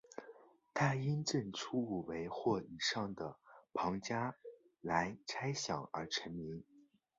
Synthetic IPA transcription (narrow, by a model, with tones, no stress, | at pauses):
t̪ʰa˥˩i˥nʈ͡ʂə˥˩nʈ͡ʂʰu˥u˨˩we˧˥ɪxwɔ˥˩i˨˩ʂɑ˥˩ŋd̪ə˩pʰɑ˧˥ŋt͡ɕja˥ | la˧˥ɪʈ͡ʂʰa˥ɪɕjɑ˨˩ŋə̰˞˧˥ʈ͡ʂʰə˧˥nmi˧˥ŋ